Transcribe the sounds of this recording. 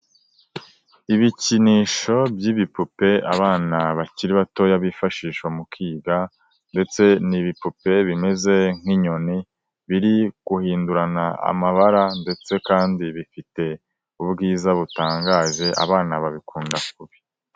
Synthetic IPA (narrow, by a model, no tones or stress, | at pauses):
iβiciniːʃo̞bjiːβipupe̞aβaːnaβaciɾiβato̞jaβifaʃiːʃomukʰiːɡa | nde̞t͡se̞niβipupe̞βime̞ze̞ŋ̥iɲo̞ni | βiɾiɡ̥uhiːnduɾanaa̰maβaɾande̞t͡se̞kaːndiβifite̞ | ubɡiːzaβutaːŋɡaːʒe̞ʔa̰βaːnaβaβikuːndak̚uβi̥